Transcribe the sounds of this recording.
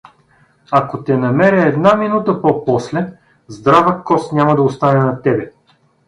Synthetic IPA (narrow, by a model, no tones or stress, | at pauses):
akot̪ɛnɐmɛɾʲəɛd̪naminut̪əpopɔslɛ | zd̪ɾavəkɔsnʲamɐd̪ɐost̪anɛnɐt̪ɛbɛ